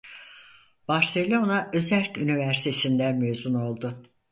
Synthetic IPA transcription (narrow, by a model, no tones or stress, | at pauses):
b̥aɾse̞lʲo̞naʔø̞zælʲcynivæɾsi̥t̪ʰesind̪ænmyjzuno̞lˠd̪ʊ